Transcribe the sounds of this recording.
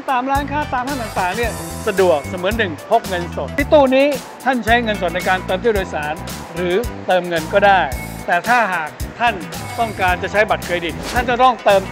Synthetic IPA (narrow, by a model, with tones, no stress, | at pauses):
t̪aː˧mɾaː˦˥˩nkʰaː˥˩t̪aː˧mt̪ʰa˥˩nt̪aː˨˩ŋt̪aː˨˩ŋni˥˩ɐsa˧du˨˩ək̚sa˨˩˦mɯ˩˦ənːɯ˨˩ŋpʰo˦˥p̚ŋɤ˧nso˨˩t̪̚ːʰiː˦˥˩t̪uː˥˩niː˦˥ | t̪ʰa˥˩nt͡ɕʰa˦˥jŋɤ˧ns̬o˨˩t̪̚na˧jkaː˧nt̪ɤː˧mt̪i˥˩doː˧jsaː˩˦n | ɾɯː˩˦t̪ɤː˧mŋɤ˧nkɔː˥˩daː˥˩jt̪ɛː˨˩t̪ʰaː˥˩ɦaː˨˩k̚t̪ʰa˥˩nt̪ɔ˥˩ŋkaː˧nt͡ɕa˨˩t͡ɕʰa˦˥jba˨˩t̪̚kʰɯː˧jdi˨˩nt̪ʰa˥˩nt͡ɕa˨˩t̪ɔ˥˩ŋt̪ɤː˧m